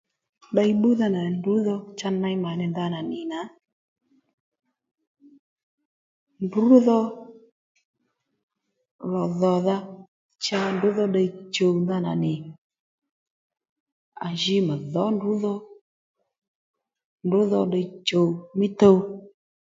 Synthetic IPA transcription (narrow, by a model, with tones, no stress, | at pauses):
ɗa˧jɓu˦ða˧na˨ndu˨˦ðɔ˧t͡ʃa˧nã˧jma˨nɪ˧nða˧˦na˨nɪ˨na˨˦ | ndʊ˨˦ðɔ˧ | lɔ˨ðɔ˨ða˧ | t͡ʃa˧ndʊ˨˦ðɔ˧ɗa˧i˦t͡ʃo˨wnda˧˦na̰˨nɪ˨ | a̰˨ʒi˧˦ma˨ðɔ˨˦ndʊ˨˦ðɔ˧ | ndʊ˨˦ðɔ˧ɗa˧i˦t͡ʃo˨wmɪ˦to˦˧w